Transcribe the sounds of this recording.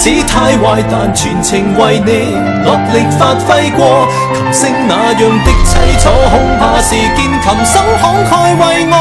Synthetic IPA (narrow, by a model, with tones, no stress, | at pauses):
t͡siː˨˥t̪ʰaː˧jwaː˨jt̪aː˨nt͡ʃʰyː˨˩nt͡sʰɪ˨˩ŋwɐ˨jne˨˧j | lɔː˨˩p̚lɪ˨k̚faː˧t̚fɐ˥jkʷɔː˧ | kʰɐ˨˩p̚sɪ˧ŋnaː˨˧jɵ˨˧ŋt̪ɪ˥k̚t͡sʰɐ˧˥jt͡sʰɔː˧˥hʊ˧˥ŋhaː˨˧siː˨˩kiː˧nkʰɐ˨˩msɐ˥ŋhɔː˨˥ŋhʰɔː˧˥jwɐ˨jŋɔ˧